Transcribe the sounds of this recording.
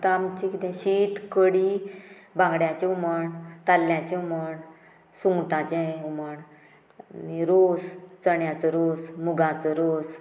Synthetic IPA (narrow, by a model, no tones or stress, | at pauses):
t̪amt͡ɕĩkit̪ɛ̃ɕit̪kəɽi | bʱãɡɽjãt͡ɕeuməɳt̪alːjãt͡ɕeuməɳ | suŋɡʈãt͡ɕẽuməɳ | niɾost͡səɳjãt͡səɾosmuɡãt͡səɾos